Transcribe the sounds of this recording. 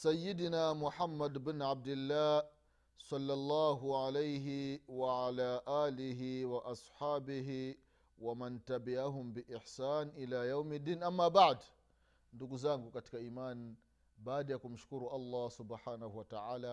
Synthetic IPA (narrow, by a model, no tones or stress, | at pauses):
sajːidinaːmʊħamːadbɪnʕab̚dɪlːaː | sɑlːalːaːɦʊʕalajɦiwaʕalaːʔaːlɪɦiwaʔɑsħaːbɪɦi | wamantabɪʕaɦʊmbɪʔɪħsaːnʔɪlaːjawmɪd̪ːiːnʔamːaːbaʕd | ndukzaŋɡukʼatkaʔiːmaːn | baːdajakumʊʃkuɾuːʔalˤːɑːsʊbħaːnahuwataʕaːlaː